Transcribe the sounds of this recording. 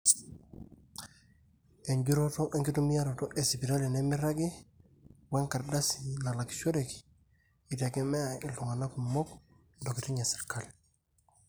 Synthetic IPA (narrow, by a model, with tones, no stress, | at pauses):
e˨ɲɟuɾo˦to˦ʔe˦ŋki˦tu˦mi˦ja˦ɾo˨to˦ʔe˨si˨pi˨ta˦li˨ne˦mi˦ɾaɡi˦ | we˦ŋka˨ɾda˦sila˨la˨ki̥so˦ɾeki̥ | i˨te˨ke˦me˦a˨i˨lu˨ŋa˨na˦ku˨mɔ˦k | ndo˨ki˨ti˦ɲa˨si̥ɾkal